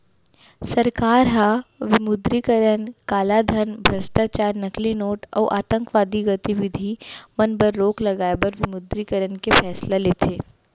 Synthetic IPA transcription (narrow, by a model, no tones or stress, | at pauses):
sɐɾkaːɾɦaʋɪmʊd̪ɾikəɾənkaːlad̪ʱənbʱɐsʈaːt͡ʃaːɾnɐklinoːʈɔ̰ːʔaːt̪ə̃ŋkʋaːd̪iɡɐt̪iʋɪd̪ʱimɐnbəɾːoːklɐɡaːebɐɾʋɪmʊd̪ɾikəɾənkefʰɛːslaleːt̪ʰeː